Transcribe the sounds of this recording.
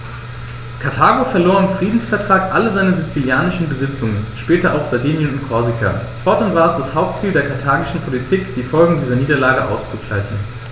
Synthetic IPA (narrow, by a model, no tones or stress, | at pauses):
kʰaɐtʰaːɡofɛɐloːɐɪmfʁ̥iːdn̩sfɛɐtʁ̥aːkʔaləzaɪnəzit͡siljaːnɪʃn̩bəzɪt͡sʊŋənʃpɛːtɐʔa̰ʊxz̥adiːnjənʊntkʰɔɐzikʰɐ̰fɔɐtʊntv̥aːəsd̥ashaʊp̚tt͡siːldeːɐkʰaɐtʰaːɡɪʃn̩pʰolitʰiːkd̥iːfɔlɡŋ̩diːzɐniːdɐlaːɡəʔa̰ʊst͡suɡla̰ɪçn̩